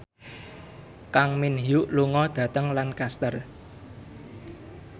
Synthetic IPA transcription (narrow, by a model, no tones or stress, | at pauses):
kaŋminɦijuʔluŋɔd̪̥ä̤t̪əŋlankast̪ər